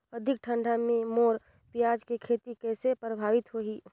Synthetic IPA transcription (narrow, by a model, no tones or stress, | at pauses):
əd̪ʱɪk̚ʈʰəɳɖʱamẽmoːɾ | pijaːd͡ʒkekʰeːt̪ikɛːsepɾəbʱaːʋɪt̪ɦoiː